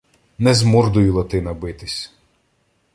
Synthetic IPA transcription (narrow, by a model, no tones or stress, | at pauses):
nɛzmɔrd̪ʊjʊlˠɔt̪ɪnɐbɪt̪ɪsʲ